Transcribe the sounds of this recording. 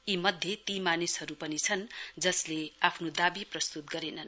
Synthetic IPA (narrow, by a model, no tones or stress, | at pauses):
imʌd̪ʱjet̪imanisɦʌɾupʌnit͡sʰʌnd͡zʌsleapʰnod̪abiprʌst̪ut̪̚ɡʌɾenʌn